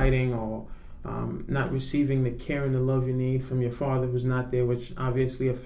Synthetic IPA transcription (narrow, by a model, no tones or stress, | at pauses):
ɪɾɪ̃ŋə˞ | nəʔ̚ɹɨsivɪ̃ŋðɨkʰɛɹɨ̃nðəlʌvjɨnid̥fɹʌ̃mjə˞fɑðə˞ɦuznət̪̚ðə˞wɨt͡ʃɑbviɨsliɨf